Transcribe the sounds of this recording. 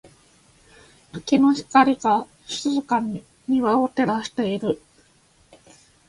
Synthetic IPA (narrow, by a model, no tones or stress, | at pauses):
akino̞çi̥kaɾʲiɡa | ɕɨ̥t͡sɨzɨkaɲ̟ | ɲiβao̞t̪e̞ɾaɕi̥t̪e̞iɾɯ̟